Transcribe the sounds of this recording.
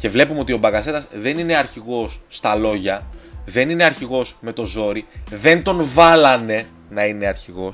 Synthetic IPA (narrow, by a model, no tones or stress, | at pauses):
ce̞vle̞pumeo̞t̪io̞bɐɣɐse̞t̪ɐzðe̞nine̞ɐɾçiɣo̞sːt̪ɐlo̞ʝɐðe̞nineɐɾçiɣo̞sme̞t̪o̞zo̞ɾiðe̞nt̪o̞nvɐlɐne̞ | nɐine̞ɐɾçiɣo̞s